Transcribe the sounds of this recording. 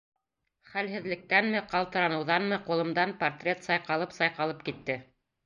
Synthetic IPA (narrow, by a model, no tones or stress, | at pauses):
χælɦɘ̆ðlɘ̆k̚t̪ænmɘqɑlˠt̪ɤ̆ɾɑnɤ̆wðɑnmɤqulˠɤ̆md̪ɑnport̪rʲet̪sɑjqɑlˠɤpsɑjqɑlˠɤp̚kit̪ːɘ